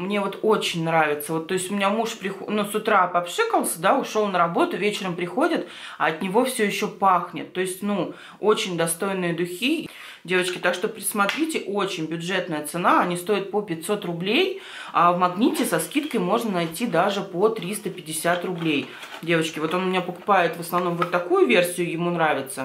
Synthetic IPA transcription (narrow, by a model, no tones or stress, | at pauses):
mnʲe̞vo̞t̪o̞t͡ɕɪnʲnɾavʲɪt̪səvo̞t̪ːo̞ɪsʲtʲʊmʲɪnʲamuʂpɾʲɪxnusʊt̪ɾapɐpʂɨkəlˠsʲəd̪aʊʂolˠnəɾɐbo̞t̪ʊvʲet͡ɕɪɾəmpɾʲɪxo̞dʲɪt̪ | ɐɐt̪nʲɪvo̞fsʲɵjɪɕːo̞paxnʲɪ̰t̪ːo̞ɪsʲtʲnu | ot͡ɕɪnʲd̪ɐst̪o̞jnɨjəd̪ʊxʲi | dʲe̞vət͡ɕkʲɪt̪akʂt̪o̞pɾʲɪsmɐt̪ɾʲitʲɪʔot͡ɕɪnʲbʲʊʐɛt̪nəjət̪sɨnaɐnʲist̪o̞ɪt̪̚popʲɪtʲso̞t̪rʊblʲej | avmɐɡnʲitʲɪsɐskʲit̪kəjmo̞ʐnənɐjtʲid̪aʐɨpot̪ɾʲist̪əpʲɪdʲɪsʲat̪rʊblʲej | dʲe̞vət͡ɕkʲɪvo̞t̪o̞nʊmʲɪnʲapəkʊpajɪt̪vəsnɐvn̪o̞mvot̪ːɐkujʊvʲe̞rsʲɪjʊjɪmunɾavʲɪt̪sə